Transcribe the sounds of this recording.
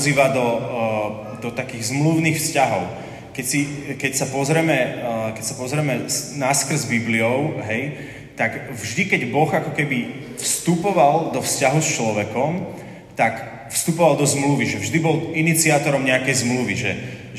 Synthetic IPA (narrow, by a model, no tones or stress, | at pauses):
ziːʋad̪ɔ | d̪ɔt̪akiːɣzmluʊniːxfscaɦɔʊ | kɛcsikɛcsapɔzɾɛmɛkɛcsapɔzɾɛmɛsnaskr̩zbibliɔʊɦɛj | t̪aɡvʒd̪ikɛɟbɔɣakɔkɛbi | fst̪upɔʋald̪ɔfscaɦust͡ʃlɔʋɛkɔm | t̪ak | fst̪upɔʋald̪ɔzmluʋiʒɛvʒd̪ibɔlinit͡siaːt̪ɔɾɔmɲɛakɛjzmluʋiʒɛ